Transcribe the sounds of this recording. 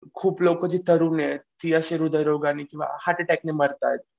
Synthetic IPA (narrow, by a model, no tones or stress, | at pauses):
kʰuːplokəd͡ʑit̪əɾuːnet̪iəɕeɾud̪əjɾoɡanikĩw̃ʋa̰haʈeʈakneməɾt̪a̰jt̪̚